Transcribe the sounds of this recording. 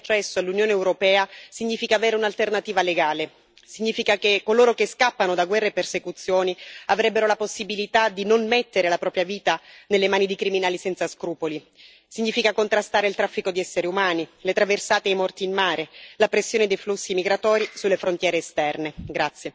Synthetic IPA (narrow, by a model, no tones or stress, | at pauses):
t͡ʃːɛsːoalːunjoːneːwɾopɛːasiɲːiːfikaːveːɾeunalt̪ernat̪iːvaleɡaːle | siɲːiːfikakekːoloːɾokeskapːanod̪aɡwɛrːepːersekut̪sːjoːniavɾɛbːeɾolaposːibilit̪ad̪inonmet̪ːeɾelapɾɔːpɾjaviːt̪anelːemaːnid̪ikɾiminaːlisɛnt̪saskɾuːpoli | siɲːiːfikakont̪ɾast̪aːɾeilt̪ɾafːikod̪iɛsːeɾeumaːnilet̪ɾaversaːt̪eejmɔrt̪iːnmːaːɾelapɾesːjoːned̪ejflusːimiɡɾat̪ɔːɾisulːefɾont̪jɛːɾeːst̪ɛrneɡɾat̪sːje